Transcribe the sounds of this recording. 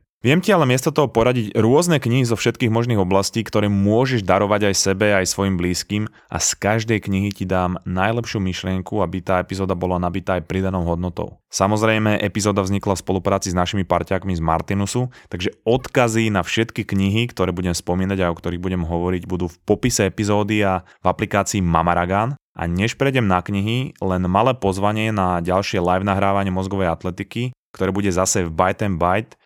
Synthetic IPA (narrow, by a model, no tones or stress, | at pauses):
ʋɪɛmcialɛmɪɛst̪ɔt̪ɔɦɔpɔɾaɟiɟɾʊɔznɛkɲiɦizɔfʃɛt̪kiːɣmɔʒniːɣɔblasciːkt̪ɔɾɛːmʊɔʒɛʒd̪aɾɔʋaɟajsɛbɛajsʋɔjimbliːskiːm | ʔa̰skaʒd̪ɛjkɲiɦicid̪aːmnajlɛpʃɪumiʃlɪɛŋkuabit̪aːɛpizɔːd̪abɔlanabit̪aːjpɾid̪anɔʊɦɔd̪nɔt̪ɔ̰ʊsamɔzɾɛjmɛʔɛpizɔːd̪avzɲiklafspɔlupɾaːt͡siznaʃimipaɾcaːkmizma̰ɾt̪inusut̪aɡʒɛɔt̪kazinafʃɛt̪kikɲiɦikt̪ɔɾɛːbuɟɛmspɔmiːnaɟajɔkt̪ɔɾiɣbuɟɛmɦɔʋɔɾiɟbud̪uːfpɔpisɛɛpizɔːd̪ia | vaplikaːt͡siːmamaɾaɡan | ʔa̰ɲɛʃpɾɛjɟɛmnakɲiɦilɛnmalɛːpɔzʋaɲɪɛnaɟalʃɪɛlajvnaɦɾaːʋaɲɪɛmɔzɡɔʋɛjat̪lɛt̪ikikt̪ɔɾɛːbuɟɛzasɛvbajt̪ɛnbajt̪